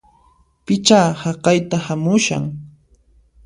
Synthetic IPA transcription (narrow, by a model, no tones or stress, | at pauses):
pɪt͡ʃaːhɑqɑjt̪ahamʊʃa̰ŋ